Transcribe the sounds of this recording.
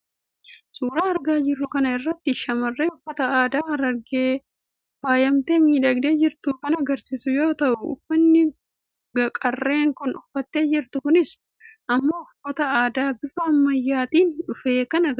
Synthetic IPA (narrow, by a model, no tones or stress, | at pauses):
suːɾaːɐɾɡaːd͡ʒɪrːʊkɐnɐɪrːɐt̪ːɪʃɐmɐrːeːʊfːɐt̪ɐaːd̪aːɐɾɐɾɡeː | faːjɐmt̪e̞ːmiːᶑɐɡd̪e̞ːd͡ʒɪɾt̪ʊkɐnɐɡɐɾsisʊjo̞ːt̪ɐʔʊʊ̰fːɐnːɪ | ɡɐkʼɐrːe̞ːŋkʊnʊfːɐt̪ːe̞ːd͡ʒɪɾt̪ʊkʊnɪs | ʔɐmːoːʊfːɐt̪ɐaːd̪aːbɪfɐːmːɐjːaːt̪iːnᶑʊfe̞ːkɐnɐ